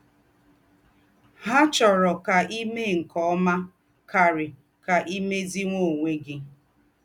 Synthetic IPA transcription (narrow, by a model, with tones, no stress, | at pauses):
ɦa˦t͡ʃɔ˨ɾɔ˨ka˨ʔi˦me˦ŋ̩˨kɔ˦ɔ˦ma˦ | ka˨ɾɪ˨ | ka˨ʔi˦me˦zi˦ŋʷo˦˨ŋʷe˦ɡɪ˦